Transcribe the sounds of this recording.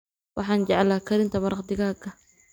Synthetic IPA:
wɑħɑːnd͡ʒɑʕlaːkʰɐɾɪnt̪ʰɐmɐɾɑqd̪ɪɣaːkʰːɐ

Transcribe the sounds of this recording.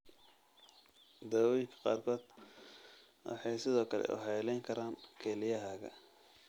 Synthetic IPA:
d̪ɔːwɪŋkʰɐ̥qɑ̰ːrkʰɔːd̪ | wɑ̰ħɑjsɪðɔːkʰɐlɛ̰ʔʊ̰ɦɛjlɛjŋkʰɐɾaːnkʰɛːlɪjɐɦaːɣɐ̰

